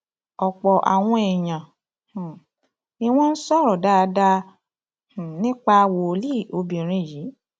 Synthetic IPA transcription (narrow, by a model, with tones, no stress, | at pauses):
ɔ˨k͡pɔ˨ʔa̰˨w̃ɔ̃˧ɛ˨j̃ã˨ | i˧w̃ɔ̃˦n̩˦sɔ˦˨ɾɔ˨da˦˧da˧˦˨ | nĩ˦k͡pa˧wo˨li˦˨o˧bĩ˨ɾ̃ĩ˨˧˦ji˨˦